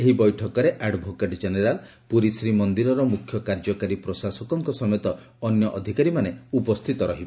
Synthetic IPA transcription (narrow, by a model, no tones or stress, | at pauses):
eɦibɔjʈʰɔkɔɾeʔaɖbʱokeʈd͡ʒeneɾal | puɾisɾimɔnd̪iɾɔɾɔmukʰːjɔkaɾd͡ʒɔkaɾipɾɔsasɔkɔŋkɔsɔmet̪ɔ | ɔnjɔʔɔd̪ʱikaɾimaneupɔst̪ʰit̪ɔɾɔɦibɔ